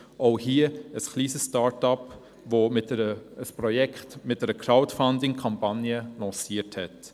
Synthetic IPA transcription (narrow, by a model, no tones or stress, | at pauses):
ʔoʊhiəəsχliːsəsstɑːɹtɑp | vomɪtəəspɾɔjɛkχtmɪt̚dəɾəkʰɾaʊtfandɪŋkʰɑmpɑnjəlɔ̃ːsiəthɛt